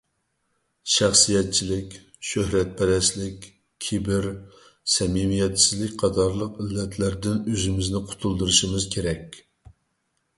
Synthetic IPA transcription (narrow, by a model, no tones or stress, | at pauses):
ʃæχsijɛt̪̚t͡ʃʰilɪkʲ | ʃøɦɾɛt̪̚bɛɾɛslɪkʲ | kʲʰibɪɾ | sɛmimijɛt̪sɪzlɪk̚ʲqʰɑt̪ʰɑɾlˠəqilːɛt̪ʰlæɾd̪ɪnøzɪmɪznɪqʰʊ̥t̪ʰulˠd̪ɨɾɨʃimɪz̥kʲʰeɾɛkʲ